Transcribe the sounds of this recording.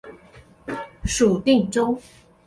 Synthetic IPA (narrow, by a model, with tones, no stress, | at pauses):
ʂu˨˩t̪i˥˧ŋʈ͡ʂʊ˥ŋ